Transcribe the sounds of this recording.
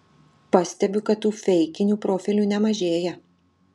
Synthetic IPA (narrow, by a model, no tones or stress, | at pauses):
pɑsʲt̪ʲɛbʲʊkɐt̪tːuːfʲɛɪkʲɪnʲuːpɾoːfʲɪlʲuːnʲɛmɐʒʲeːjɛ